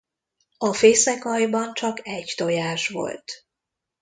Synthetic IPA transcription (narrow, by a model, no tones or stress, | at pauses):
ɒfeːsɛkɒjbɒnt͡ʃɒkɛɟt̪o̞jaːʃʋo̞̰lt̪